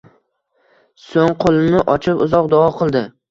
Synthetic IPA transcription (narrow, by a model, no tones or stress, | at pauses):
soŋqʰolˠɪmɪʔɒt͡ʃʰɪpʊzɒqd̪ɒɒqʰɨlˠd̪ɪ